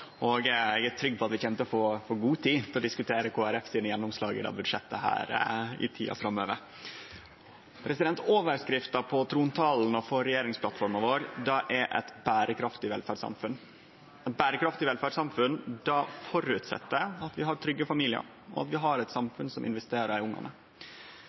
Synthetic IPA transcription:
ʔɔɡɛɡæt̪ʰɾʏɡːpʰɔɑt̪ʋɪçɛmt̪əfɔɾfɔɾɡuːt̪ʰiːt̪ɪlɔd̪ɪskʉt̪ʰeːɾəkʰoːæɾɛfsiːnəjɛnːɔmslɑːɡə̰d̪ɑ̰bʉd̪ʂɛt̪ːəhæ̰ːɾɪ̰t̪ʰḭːʔɑ̰fɾɑmːø̰ːʋəɾ | pʰɾɛsɪd̪ɛnt̪oːʋəɾskɾɪft̪ɑpʰɔt̪ʰɾuːnt̪ʰɑln̩ɔfɔɾɛjeːɾɪŋspʰlɑt̪fɔɾmɑʋoːɾd̪ɑʔɛɾʔɛ̰t̪bæːɾəkʰɾɑft̪ɪʋɛlfæːɖsɑ̰mfʉn | ɛt̪̚bæːɾəkɾɑft̪ɪʋɛlfæːɖsɑmfʉnd̪ɑfɔɾʉt̪sɛ̰t̪ːəɑt̪ʋɪɦɑɾt̪ʰɾʏɡːəfɑmiːlɪə̰ɾ | ɔ̰ɑ̰t̪ʋɪɦɑɾɛt̪sɑmfʉnsɔmʔɪ̰nʋɛst̪eːɾəɾʊŋːɑ̰nə

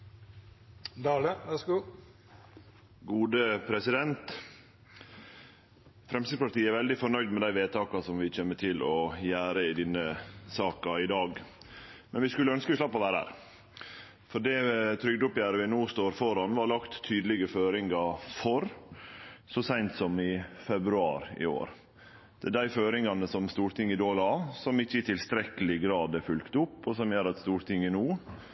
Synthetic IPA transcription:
d̪ɑːləʋɛsuː | ɡuːd̪əpʰɾɛsɪd̪ɛnt̪ | fɾɛmsɪspɑʈ̪iːəɛɾʋɛld̪ɪfɔɳœʏd̪mɛd̪æɪʋeːt̪ʰɑːkɑsɔmʋɪt͡ʃeːməʈʰɪlɔjæːɾəɪd̪ɪnːəsɑːkɑɪd̪ɑːɡ | mɛnʋɪskʉlːəœnskəʋɪslɑpːɔʋæːɾəhæ̰ːɾ | fɔɖɛt̪ʰɾʏɡ̚d̪ʊpjæːɾəʋɪnuːst̪oːɾfɔɾɑnʋɑɾlɑkt̪ʰːyːd̪əlɪɡəføːɾɪŋɡɑfɔɾ | sɔsæɪnt̪sɔmɪfɛbɾʉɑ̰ːɾɪ̰o̰ːɾ | d̪̥ɛæɖ̪æɪføːɾɪŋɑnəsɔmst̪uːɾt̪ʰɪŋːɪd̪oːlɑːsɔmɪçːəɪt̪ʰɪlst̪ɾɛkəlɪɡɾɑːd̪ɛɾfʉlkt̪ʊpːɔsɔmjøːɾɑt̪st̪uːɾt̪ʰɪŋːənuː

